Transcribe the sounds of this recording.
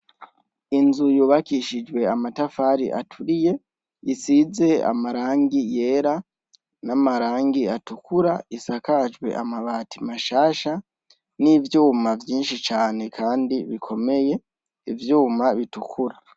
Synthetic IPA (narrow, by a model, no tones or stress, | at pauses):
inzujuːβakiʃid͡ʒwe̞amatafaːɾḭʔa̰tʰuɾije̞ | isize̞a̰maɾaːŋɡije̞ɾa | namaɾaːŋɡiatukʰuɾaisakad͡ʒwe̞̰ʔamaβaːtimaʃaːʃa | nivjuːmavjiːnʃit͡ʃaːne̞kʰaːndiβikʰo̞me̞je̞ | ivjuːmaβitukʰuɾa